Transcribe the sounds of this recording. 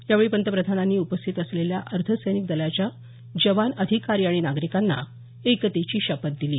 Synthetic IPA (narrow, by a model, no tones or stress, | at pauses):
jaʋəɭiːpənt̪əpɾəd̪ʱananːiːupəst̪ʰit̪əsleljaʔəɾt̪ʰəsəjnik̚d̪əljat͡ɕja | d͡ʑəʋanəd̪ʱikaɾiːaɽ̃inaɡɾikanːa̰ | ekət̪et͡ɕiːɕəpət̪̚d̪iliː